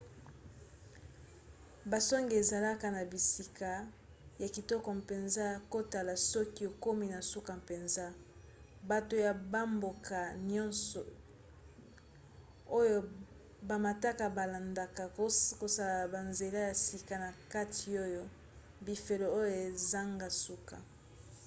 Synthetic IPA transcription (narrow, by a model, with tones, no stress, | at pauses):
ba˨sɔ˦ŋɡe˨e˨za˨la˦ka˨na˨bi˨si˨ka˨ | ja˨ki˨tɔ˦kɔ˨mpe˨nza˦jko˦ta˨la˨sɔ˦ki˦o˨ko˦mi˦na˨su˦ka˨mpe˨nza˦ | ba˨to˨ja˨ba˦mbo˨kʰa˨njɔ̃˦nsɔ˨ | o˦jo˦ | ba˨ma˨ta˦ka˨ba˨la˨nda˨ka˨˦ko˨sa˨la˨ba˨nze˨la˦ja˨si˨ka˨na˨ka˦ti˨o˦jo˦ | bi˨fe˨lo˨o˦jo˨e˨za˦ŋɡa˦su˦ka̰˨